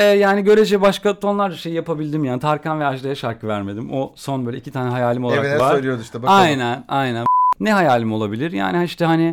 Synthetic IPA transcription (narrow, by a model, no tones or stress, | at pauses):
ɛjaːniɟø̞ɾed͡ʒɛbaʃkat̪ʰo̞nlˠaɾd͡ʒaʃe̞jijapabilʲd̪imjaːnit̪ʰaɾkanvɛaʃd̪ˠajaʃaɾkʰɯvæɾme̞d̪imoso̞nbøːlʲɛ̰icʰit̪ʰaːnɛɦajaːlʲimoaɾavaɾøjlʲˠjod̪uʃt̪ɛbaajnænajnænnɛɦajaːlʲimo̞lˠabilʲiɾja̰ːnihaiʃt̪ʰɛhanɪ